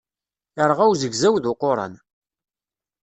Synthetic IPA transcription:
əɾˤʁæwzəɡzæwðʊqoɾˤɑ̰n

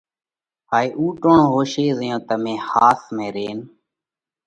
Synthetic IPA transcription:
haːiːʔuːʈoɳõːɦoːʃeːzəjõːt̪əmẽːhaːsmẽːɾeːn

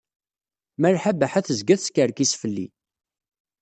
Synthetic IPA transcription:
məɾħabæħæθəzɡæθskəɾkisfəlːḭ

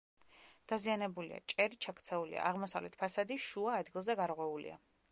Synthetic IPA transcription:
d̪̥azianɛbulḭa̰t͡ʃʼɛɾit͡ʃʰakʰt̪sʰɛulḭa̰aʁmɔsavlɛt̪ʰpʰasad̪iʃuaːd̪ɡilˠzɛɡaɾʁwɛulḭa̰

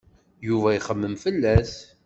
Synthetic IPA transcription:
juvæiχəmːəmfəlːæθ

